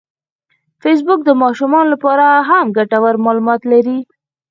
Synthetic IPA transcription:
fes̬bʊk̚d̪əmɑʃumɑnolapɑɾaɦamɡaʈawaɾmɑlumɑt̪laɾi

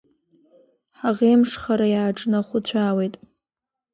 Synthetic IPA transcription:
ħaʁemʂχaɾajaːʈ͡ʂʼnaχʷʊt͡ɕʷʰaːwejtʼ

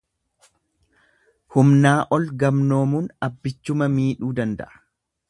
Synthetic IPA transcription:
hʊmnaːʔɔlɡɐmno̞ːmuːnɐbːɪt͡ʃːʊmɐmiːᶑuːd̪ɐnd̪ɐ̰ʔɐ̥

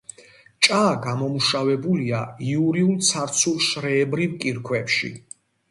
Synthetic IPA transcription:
t͡ʃʼaːɡamɔmuʃavɛbuliaiuɾiulˠt̪sʰaɾt̪sʰulˠʃɾɛːbɾivkʼiɾkʰwɛpʃḭ

